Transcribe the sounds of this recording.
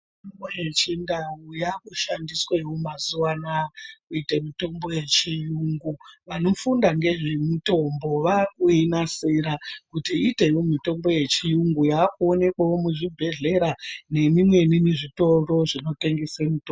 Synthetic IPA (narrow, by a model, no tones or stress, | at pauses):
itombojet͡ʃindawujakuʃandiswewomazuwanakuitemito̞mbo̞je̞t͡ʃijuŋɡuʋano̞fundaŋɡe̞ʐemito̞mbo̞ʋakuinasiɾakutiːte̞jomito̞mbo̞je̞t͡ʃijuŋɡujakuone̞kwawomuʐibʱe̞ɮe̞ɾane̞mimwe̞nineʐito̞ro̞ʐino̞te̞ŋɡesemito